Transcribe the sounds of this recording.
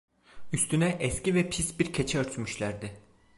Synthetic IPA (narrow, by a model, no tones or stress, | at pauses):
yst̪ʰynɛʔɛscivɛpʰisbiɾcʰet͡ʃʰɛøɾt̪ʰymyʃlʲæɾd̪ɪ